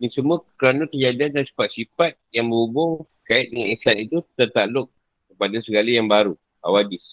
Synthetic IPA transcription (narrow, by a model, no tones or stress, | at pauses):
diŋsəmuakəɾanak̪əd͡ʒadiandansi̥fat̪̚sifat̪̚jaŋbəɾubʊŋ | kaɪt̪̚dəŋanisanit̪ut̪ərt̪aʔlʊk̚ | kəpadasəɡalijaŋbaɾu | a̰wadɪs